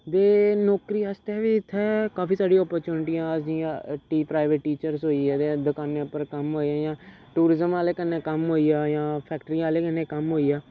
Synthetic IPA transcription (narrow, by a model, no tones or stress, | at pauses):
d̪eːnɔːkɾiːast̪ɛːʋiːɪt̪ʰːɛːkaːfiːsaːɖijɔːpəɾt͡ʃuːnɪʈijãːəsiːʈiːpɾaːɪʋeʈːiːt͡ʃəɾsɦoːiɛːd̪ed̪ʊkaːnepəɾkəmɦoːiãːjãː | ʈuːɾɪzəmaːleːkənːẽːkəmɦoːiːaːjãːpʰɛːkʈəɾiːaːleːkənːeːkəmɦoːiːaː